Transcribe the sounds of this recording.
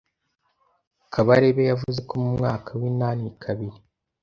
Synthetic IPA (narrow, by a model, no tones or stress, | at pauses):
kʰaβaɾeβejavuze̞komumŋaːkʰawiːnaːnikʰaβiɾi